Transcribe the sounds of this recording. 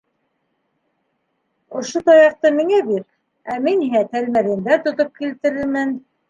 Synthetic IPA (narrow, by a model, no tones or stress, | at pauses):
ŏʃot̪ɑjɑq̚t̪ɤmiŋæbiɾ | æminiɦæt̪ælmæɾɘ̆nd̪æt̪ŏt̪op̚kilt̪ɘ̆ɾɘ̆lmɘn